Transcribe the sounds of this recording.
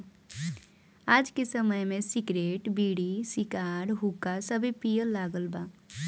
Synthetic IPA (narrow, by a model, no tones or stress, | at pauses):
aːd͡ʒkesəməjmesikɾeːʈbiːɽisikaɾɦukasəbʱipijəlːaɡəlba